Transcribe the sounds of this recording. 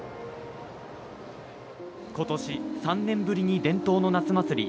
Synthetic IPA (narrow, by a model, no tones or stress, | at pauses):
ko̞t̪o̞ɕisãnnːẽ̞mbɯ̟ɾʲiɲ̟id̪ẽ̞nt̪o̞ːno̞nat͡sɨmat͡sɨɾʲḭ